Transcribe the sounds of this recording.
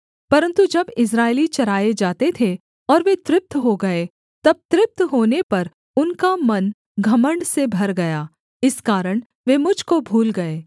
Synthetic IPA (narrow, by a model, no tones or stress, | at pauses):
pɐɾə̃nt̪ud͡ʒɐbɪs̬ɾaːɪlit͡ʃɐɾaːjed͡ʒaːt̪et̪ʰe | ɔːɾʋet̪ɾɪp̚t̪ɦoɡɐe | t̪ɐb̚t̪ɾɪp̚t̪ɦoːnepɐɾ | ʊnkamɐn | ɡʱɐmə̃ɳɖsebʱɐɾɡɐjaː | ɪskaːɾəɽ̃ | ʋeːmʊd͡ʒʱkobʱuːlɡɐeː